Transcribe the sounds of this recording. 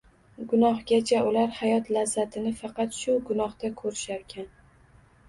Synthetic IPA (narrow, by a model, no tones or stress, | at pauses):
ɡʊnɒhɡʲat͡ʃʰaʊlaɾhajɒt̪lazːat̪ʰɪnɪfɑqɑt̪ʃʊɡʊnɒht̪akʰɵɾɪʃaɾkʲʰan